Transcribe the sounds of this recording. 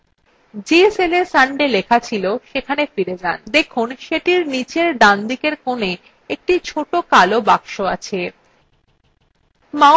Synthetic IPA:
d͡ʑeselesaɳɖelekʰat͡ɕʰiloʃekʰanefiɾed͡ʑand̪ekʰunʃeʈiɾnit͡ɕeɾɖand̪ikeɾkone | ek̚ʈit͡ɕʰoʈokalobakʃoat͡ɕʰe | ma

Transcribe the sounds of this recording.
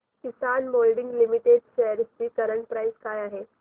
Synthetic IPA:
kisanmolɖĩŋɡlimiʈeɖ̚ɕɛɦjəɾst͡ɕiːkəɾəɳʈpɾajskaːjaɦe

